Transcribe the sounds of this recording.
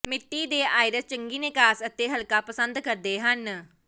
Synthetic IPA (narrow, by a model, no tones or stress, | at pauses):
mɪʈːiːd̪eːaːjɾəst͡ʃəŋɡiːneːkaːsət̪eɦəlkapəsə̃nd̪kəɾd̪eːɦən